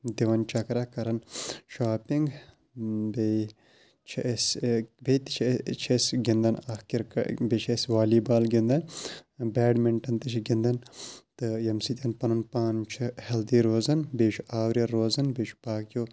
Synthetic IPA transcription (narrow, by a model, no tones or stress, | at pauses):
d̪iʋɐnt͡ʃɐkɾakɐɾɐnʃaːpiŋɡ | be | t͡ʃʰsbʱet̪i̥t͡ʃʰet͡ʃʰesɡind̪ɐnɐhkiɾkbet͡ʃʰesʋaːliːbaːlɡʲind̪ɐnbɛːɖmɪɳʈɐnt̪ɨt͡ʃʰiɡind̪ɐnt̪ɨjɐmsit̪ʲɐnpɐnɐnpaːnt͡ʃʰhɐld̪iːɾoːzɐnbeːʃʰuaːwɾijɐɾːoːzɐnbeʃʰpaːkjoː